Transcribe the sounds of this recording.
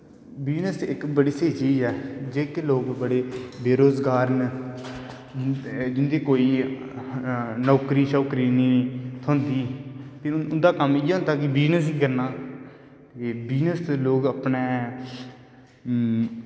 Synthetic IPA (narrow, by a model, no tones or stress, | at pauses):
bɪd͡ʒnəsɪkbəɽiːseːt͡ʃiːd͡ʒɛːd͡ʒeːkloːɡbəɽeːbeːɾoːzɡaːɾn | d͡ʒd͡ʒɪnd̪eːkoːiː | nɔːkɾiːt͡ʃɔːkɾiːnĩːt̪ʰõːnd̪iːp̪eʊnd̪aːkəmɪːɦʊnd̪aːkɪbɪd͡ʒnəsɦiːkəɾnaː | t̪ebɪd͡ʒnəsloːɡəpneː